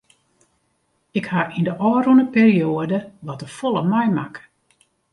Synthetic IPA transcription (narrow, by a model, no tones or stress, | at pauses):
ɪkhaʔindəʔɔːrunəpeːrioədəʋɔtəfɔlˠəmɛjmak